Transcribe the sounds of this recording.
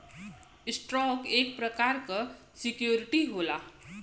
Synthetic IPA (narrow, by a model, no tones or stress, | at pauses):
isʈɾɔkek̚pɾəkaɾkʌ | sikjoɾiʈiɦola